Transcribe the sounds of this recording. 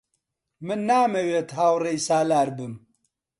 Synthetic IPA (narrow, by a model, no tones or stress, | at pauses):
mɨnːaːmɐweːt̪haːwrejsaːlaːɾbɨm